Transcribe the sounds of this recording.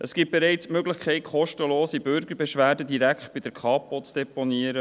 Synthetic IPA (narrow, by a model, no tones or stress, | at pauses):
ʔəsɡ̥iːp̚b̥eɾɛɪt͡smøɡlɪxkʰɛɪtχɔʃtəloːsibʏɾɡəɾbɛʃʋæːdədiɾækχt̚b̥idəɾkʰɑːpot͡sd̥ɛponiəɾə